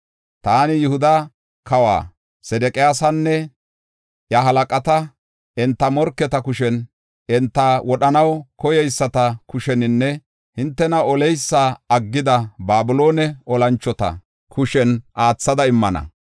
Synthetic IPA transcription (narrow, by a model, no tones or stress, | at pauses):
t̪aːnɪjʊhʊd̪ɐ | kɐwa̰ː | sɛd̪ɛkʼɪjaːsɐnːɛ | ʔjɐɦɐlɐkʼɐt̪ɐ | ʔɪnt̪ːɐmɔɾkːɛt̪ɐkʊʃɛn | ɪnt̪ːɐwɔɗɐnɐwkɔjɛjsːɐt̪ɐkʊʃɛnɪnːɛ | hɪnt̪ːɛnɐɔlɛjsːaɐɡːɪd̪ɐbaːbɪlo̞ːnɛʔɔlɐnt͡ʃːɔt̪ɐ̰ | kʰʊʃɛnʔaːt͡sːɐd̪ɐɪmːɐnɐ̰